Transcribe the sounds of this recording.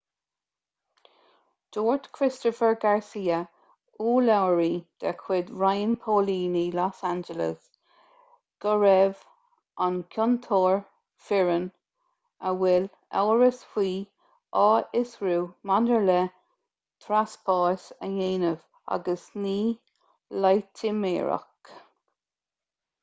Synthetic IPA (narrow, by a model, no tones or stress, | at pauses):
d̥oːɹdkʰɾɪst̪ɔfəɹɡaɹsiːə | uːlawɹid̪̥akʰwɪd̪ɹajənpʰoːliːnilɔsand͡ʒələ̰s | ɡ̥ɔɹɛv | ʔankʰɔnt̪ʰoːɹ | fɪɹən | əwɛl | a̰wɹəsfiː | ɑːɪsɹuːmandəɹlɛ | t̪ʰɾaspʰɑːsə̰jeːnəv | a̰ɡəsniː | lajtʰɪmḛːɹa̰k